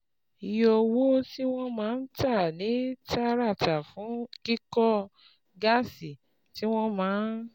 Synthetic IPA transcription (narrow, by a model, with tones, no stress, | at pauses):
i˨jɔ˧wo˦ti˦w̃ɔ̃˦mãː˨˦n̩˦ta˦˨nĩ˨˦ta˦ɾa˦˨ta˨fũ˨˦ki˦kɔ˦ | ɡa˦˨si˨ | ti˦w̃ɔ̃˦mãː˨˦n